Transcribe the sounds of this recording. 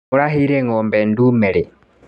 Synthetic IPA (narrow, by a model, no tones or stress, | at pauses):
uɾahiɾeŋɔːmbɛndumeɾi